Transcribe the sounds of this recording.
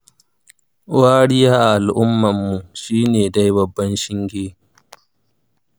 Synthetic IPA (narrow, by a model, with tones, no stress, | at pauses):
waː˦ɽɪ˦jaː˦ʔa˨ʔa˨lʔʊ˦mːɐ˨mːu˨ʃiː˦neː˨da˦jbɐ˨bːɐ˦nʃɪ˦ŋɡʲeː˦